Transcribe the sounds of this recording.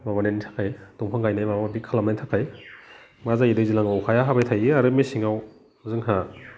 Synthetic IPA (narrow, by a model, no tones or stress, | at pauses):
maβanentʰḁkʰajtuŋpʰaŋɡajnajmababikʰalamnajtʰakʰaj | mazaidɯjzilaŋawkʰajaɦabajtʰajiaɾɯmisiŋaw | zɯŋɦa